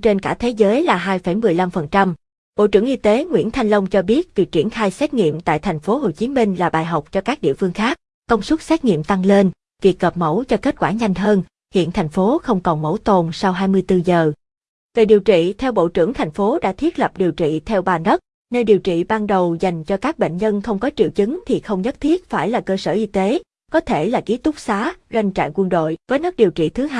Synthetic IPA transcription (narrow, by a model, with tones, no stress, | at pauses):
t͡ɕe˧nka̰ː˧˩t̪ʰe˨˦zəː˨˦jlaː˨˩ɦaː˧jfə˧˩jmɨ˨˩əjla˧mfə˨˩nt͡ɕa˧m | ɓo̰˧˨t͡ɕɨ˧˩əŋʔi˧t̪e˨˦ŋwḭ˧˥ənt̪ʰa˧jŋ̟lə˧wŋ͡mt͡ɕɔ˧ɓi˦˥ət̚vi˨˩ək̚t͡ɕi˧˩ənxaː˧jsɛ˦˥t̚ŋḭ˧˨əmt̪a̰ː˧˨jt̪ʰɛ˨˩jŋ̟fo˨˦ɦo˨˩jt͡ɕi˨˦mï˧ŋ̟laː˨˩ɓaː˨˩jɦa˨˩wk͡p̚t͡ɕɔ˧kaː˦˥k̚ɗḭ˧˨fɨ˧əŋxaː˦˥k̚ːə˧wŋ͡msə˦˥t̚sɛ˦˥t̚ŋḭ˧˨əmt̪a˧ŋle˧n | vi˨˩ək̚ɣə˨˩p̚mə˧˥wt͡ɕɔ˧ke˦˥t̚kwaː˧˩ɲa˧jŋ̟ɦəː˧n | hḭ˧˨ənt̪ʰa˨˩jŋ̟fo˨˦xə˧wŋ͡mkɔ˨˩nmə̰˧˥˩wt̪o˨˩nsa˧wɦaː˧jmɨ˧jt̪ɨ˧zəː˨˩ | ve˨˩ɗi˨˩wt͡ɕḭ˧˨t̪ʰɛ˧wɓo̰˧˨t͡ɕɨ̰˧˩əŋt̪ʰa˨˩jŋ̟fo˨˦ɗa̰ː˧˥t̪ʰi˦˥ət̚lə˨˩p̚ɗi˨˩əwt͡ɕḭ˧˨t̪ʰɛ˧wɓaː˨˩nə˦˥t̚ | ne˧nɗi˨˩əwt͡ɕḭ˧˨ɓaː˧nɗə˨˩wza˨˩jŋ̟t͡ɕɔ˧kaː˦˥k̚ɓḛ˧˨ŋ̟ɲə˧nxə˧wŋ͡mkɔ˨˦t͡ɕḭ˧˨wt͡ɕɨ˨˦ŋt̪ʰi˨˩xə˧wŋ͡mɲə˦˥t̚t̪ʰi˦˥ət̚faː˧˩jlaː˨˩kəː˧səː˧˩ʔi˧t̪e˨˦ | kɔ˨˦t̪ʰe˧˩laː˨˩ki˨˦t̪ʊ˦˥k͡p̚saː˨˦za˧jŋ̟t͡ɕa̰ː˧˨ŋkwə˧nɗo̰˧˨jvəː˨˦jnə˦˥k̚ɗi˨˩əwt͡ɕḭ˧˨t̪ʰɨ˨˦ɦa˧